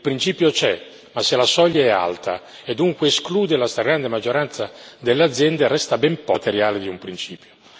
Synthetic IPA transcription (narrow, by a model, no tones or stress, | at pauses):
ilpɾint͡ʃiːpjot͡ʃɛ | masːelasɔʎːaɛa̰lt̪ʰa̰ | ed̪ːuŋkweːskluːd̪elast̪aɡɾand̪emad͡ʒːoɾant̪sad̪elːead̪zjɛnd̪eɾɛst̪abɛmpɔt̪eɾjaːled̪iumpɾint͡ʃiːpjo̥